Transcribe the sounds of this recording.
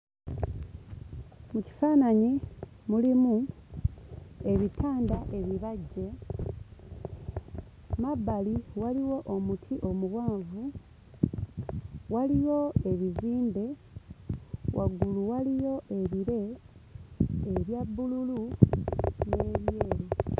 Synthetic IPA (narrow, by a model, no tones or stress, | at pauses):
muci̥faːnaɲi | mulimu | e̞βitʰaːndaʔe̞βiβaɟːe̞ | mabːaliwaliwo̞ʔomutʰiʔo̞muβwaːɱvu | walijo̞e̞βiziːnde̞ | wʔaɡuluwalijo̞ʔe̞βiɾe̞ | βjabːululu | neːβjeːɾe